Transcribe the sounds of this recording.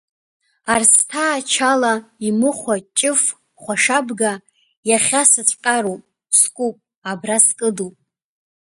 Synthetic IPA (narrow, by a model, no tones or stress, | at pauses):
arstʰaːt͡ʃʰalaimɨχʷat͡ʃʼɪf | χʷaʂabɡa | jaχʲasɨt͡sʷʼqʼaɾowpʼ | skʷʼupʼ | abraskʼɨdupʼ